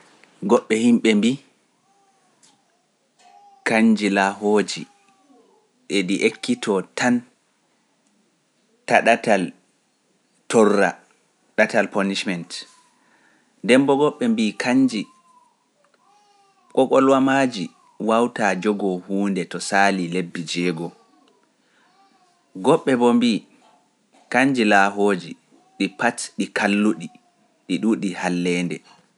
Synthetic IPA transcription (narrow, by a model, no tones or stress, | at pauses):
ɡɔɓːɛhimɓɛmbi | kaɲd͡ʒilaɦoːd͡ʒḭ | ɗeɗiʔekʰːitʰɔtʰan | taɗatal | tɔrːa̰ | ɗatalpɔniʃmɛnt | dɛmbɔɡɔɓːɛmbikʰaɲd͡ʒi | kɔkɔlwamad͡ʒi | wawtad͡ʒɔɡɔhuːndɛtɔsaːlilebːid͡ʒɛːɡɔ | ɡɔɓːɛbɔmbiː | kaɲd͡ʒilaːɦoːd͡ʒi | ɗipatɗikʰalːuɗi | ɗiɗuɗihalːɛːndɛ